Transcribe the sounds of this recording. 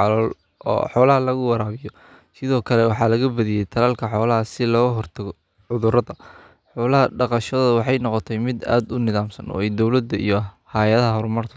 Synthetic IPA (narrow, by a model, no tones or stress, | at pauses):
ɑlɔːl | ɔ̰ːħɔːlɐɦɐlɐɣʊwɑɾaːβɪjɔ | sɪðɔːkʰɐlɛwɑħɑːlɐɣɐbɐðɪjɛjt̪ʰɐlɐlkʰɐħɔːlɐɦɐsɪlɔːɣɐɦɔrt̪ʰɐɣɔ | ʕʊðʊɾɐðɐ | ħɔːlɐɦɐɖɑqɑʃɔðɐwɑħɑjnɔqɔt̪ʰɛjmɪd̪a̰ːd̪ʊnɪðaːmsɐnʔɔ̰ːɛjd̪ɔwlɐd̪ɐḭjɔhajɐðɐɦɐɦɔɾmɐrt̪ʰɐ̥